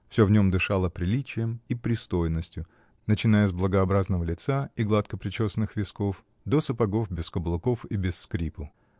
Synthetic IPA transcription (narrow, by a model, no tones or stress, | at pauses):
fsʲovnʲo̞md̪ɨʂalˠəpɾʲɪlʲit͡ɕɪjəmipɾʲɪst̪o̞jɪnːəsʲtʲjʊ | nət͡ɕɪnajəzblˠəɡɐɐbɾaznəvəlʲɪt̪saiɡlˠat̪kəpɾʲɪt͡ɕosnɨxvʲɪskof | d̪osəpɐɡo̞fbʲɪskəblˠʊko̞fibʲɪsːkɾʲipʊ